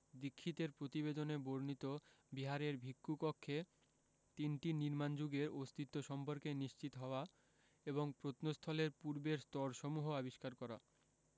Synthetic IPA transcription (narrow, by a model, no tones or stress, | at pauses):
d̪ikʰːit̪eɾpɾot̪ibed̪oneboɾnit̪o | biɦaɾeɾbʱikːukokʰːe | t̪inʈiniɾmand͡ʑuɡeɾost̪ʰit̪ːoʃɔmpoɾkeniʃt͡ɕit̪oɦɔoa | eβoŋpɾot̪nost̪ʰɔleɾpuɾbeɾst̪ɔɾʃɔmuɦoabiʃkaɾkɔɾa̰